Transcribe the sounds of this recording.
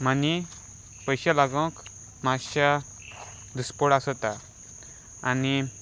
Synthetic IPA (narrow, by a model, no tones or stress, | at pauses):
mani | pəjɕalaɡə̃k | maɕa | d̪uspɔɽasɔt̪aː | ni